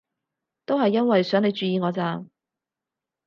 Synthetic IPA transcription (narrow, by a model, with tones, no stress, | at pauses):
t̪o˥wɦɐ˨jːɐ˥nwɐ˨jsœː˨˥ŋne˨˧jt͡ʃyː˨jiː˨˧ŋɔː˨˧t͡saː˧m